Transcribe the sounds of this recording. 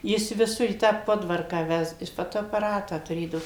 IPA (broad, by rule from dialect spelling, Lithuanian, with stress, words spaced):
ˈjɪs ʋʲɪˈsʊr iː tɑː ˈpoːdʋɐrkɑː ˈʋʲɛst ˈjɪs ˌfoːtoːɐpɐˈrɑːtɑː tʊˈrʲeːdɐʋoː